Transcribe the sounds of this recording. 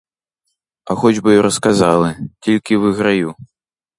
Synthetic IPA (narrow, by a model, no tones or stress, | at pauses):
ɐxɔd͡ʒʲbɨjɔɾʔɐskazalˠɨt͡sʲilʲkʲivɨɣɾaju